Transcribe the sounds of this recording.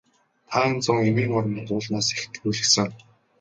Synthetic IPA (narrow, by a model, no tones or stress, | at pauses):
t̪ʰaːnt͡sɔŋewiːŋɔr̆m̆tʊːɮnaːsext̪̆kuɮɘ̆xsɘ̆ŋ